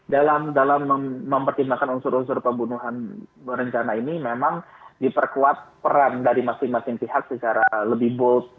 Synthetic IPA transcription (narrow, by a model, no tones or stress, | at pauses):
dalamdalaməːəmpərt̪imbakanunsʊɾunsʊrpəmbunuɦanɾəɲt͡ʃanainimemaŋdipərkuat̪̚pəɾandaɾimasɪŋmasɪŋpiɦak̚sət͡ʃaɾaləbɪhbɔt̪̚